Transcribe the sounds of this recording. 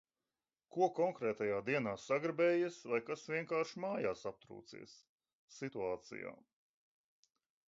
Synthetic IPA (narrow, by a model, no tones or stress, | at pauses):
kuɔkɔŋkɾɛːt̪ajaːd̪iɛnaːsaɡɾbɛːjisvajkasvʲiɛŋkaːɾʃmaːjaːsap̚t̪ɾṵːt̪sḭɛsː | it̪uaːt̪sḭja̰ː